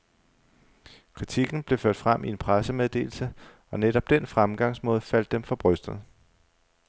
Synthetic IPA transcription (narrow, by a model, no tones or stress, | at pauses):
kʰʁit͡sʰiɡ̥n̩b̥le̝føɐ̰d̥fʁam̰ʔie̝npʰʁasəmeð̞ˠd̥e̝̰ːl̩sə | ɒ̽neɾ̥ɒ̽b̥̚d̥en̰fʁamɡ̥ɑ̈ŋsmɔ̽ːð̞ˠfæl̰d̥ːemfɒ̽b̥ʁœsd̥ð̩ˠ